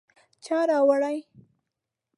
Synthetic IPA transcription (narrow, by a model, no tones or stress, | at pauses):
t͡ʃɑɾɑwaɽaj